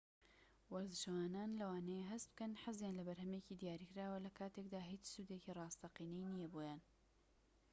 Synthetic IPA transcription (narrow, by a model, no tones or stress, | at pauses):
wɐɾzɨʃwaːnaːnlɐwaːnejeɦɐst̪̚b̥̚kɐnħazjaːnlɐbɐɾɦɐmeciːd̪ijaːɾiːkɪɾaːwɐlɐkʰaːt̪ekd̪aːɦiːt͡ʃsuːd̪ecirˤɑːst̪ɐqiːnɛjnijɐboːjaːn